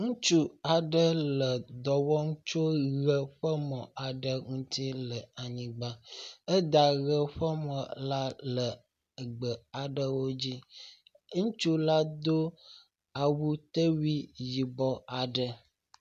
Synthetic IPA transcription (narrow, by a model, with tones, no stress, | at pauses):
ŋũ˦t͡ʃu˦a˨ɖə˦lə˨d̪ɔ˨wɔ˦ŋũ˦t͡ʃo˦ɣə˦ɸə˦mɔ̃˨ʔa˨ɖə˦ŋũ˦t̪ʰi˦lə˨a˨ɲĩ˨ɡ͡ba˦ə˦d̪a˨ɣə˦ɸə˦mɔ̃˨la˦lə˨ | ə˨ɡ͡bə˨a˨ɖə˦wo˦d͡ʑi˦ | ŋũ˦t͡ʃu˦la˦d̪o˦ | a˨wu˦t̪ə˦wi˦ji˨bɔ˦a˨ɖə˨